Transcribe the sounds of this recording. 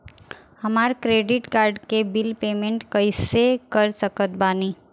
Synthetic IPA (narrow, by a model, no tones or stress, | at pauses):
hɐmaːɾkɾeːɖɪʈkaːɾɖkebɪlpeːmẽɳʈkɐɪsekəɾsəkət̪̚baːniː